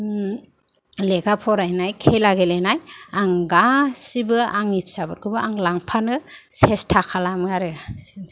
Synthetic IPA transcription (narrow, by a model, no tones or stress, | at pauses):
leɡapʰɔɾajnajkʰelaɡelenajaŋɡasibɯaŋip̚sabɯɾkʰɯbɯaŋlaŋpʰanɯsestʰakʰalamɯaɾɯsn